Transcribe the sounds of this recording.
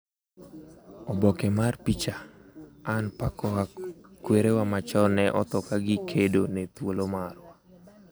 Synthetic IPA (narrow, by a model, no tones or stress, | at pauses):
ɔbɔkɛmarpit͡ʃaanpakɔakweɾewamat͡ʃɔnɛʔɔt̪ɔkaɡɪkʰedonet̪wolomarwa